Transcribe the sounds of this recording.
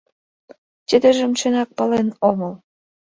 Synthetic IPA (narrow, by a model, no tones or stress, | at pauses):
t͡ɕʲə̆d̪ə̆ʒə̆mʃĕnɑk̚pɤ̆lenomɤ̆l